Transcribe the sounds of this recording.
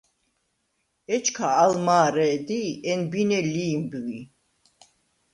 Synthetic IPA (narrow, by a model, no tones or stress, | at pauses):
ɛt͡ʃʰkʰaːlmaːɾɛːd̪iɛnbinɛliːmbɣi